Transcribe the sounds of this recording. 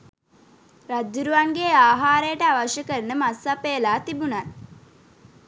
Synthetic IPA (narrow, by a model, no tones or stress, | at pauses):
ɾad͡ʒuɾuʋaŋɡeaːɦaːɾəjəʈəaʋaʃjəkəɾnəmasːapeːlaːt̪ibunan